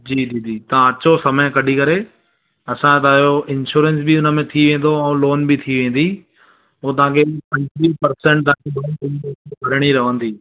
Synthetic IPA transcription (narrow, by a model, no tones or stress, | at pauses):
d͡ʑiːd͡ʑiːd͡ʑiːt̪ɐ̤ãɐt͡ɕosɐməj̃kɐɗikɐɾe | ɐsãt̪aɪjoɪ̃nʃuːɾẽns̬bɪʊnə̆mẽt̪ʰiʋẽːn̆d̪oɛ̃ːloːnbɪt̪ʰiʋẽːn̆d̪i | ɦot̪̬ɐɦãːkʰepɐ̃ɲtɾipɐɾsɛ̃ɳʈ̚t̪ɐ̃ãkʰebɐĩkɪnb̪oːkekɐɾɽ̃iɾɐʋ̤ə̃nd̪iː